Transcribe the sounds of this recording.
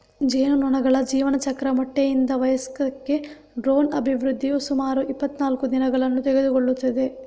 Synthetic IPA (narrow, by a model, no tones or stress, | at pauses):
d͡ʒeːnunɔnɐɡɐɭɐd͡ʒiːʋɐnɐt͡ʃɐkɾɐmɐʈːejind̪ɐʋɐjɐskɐkːe̞ | ɖɾo̞ːnɐbʱiʋɾud̪ʱːijusumaːɾuʔipːɐt̪ːnaːlkud̪inɐɡɐɭɐnːut̪ɛɡe̞d̪ukoɭːut̪ːɐd̪e̞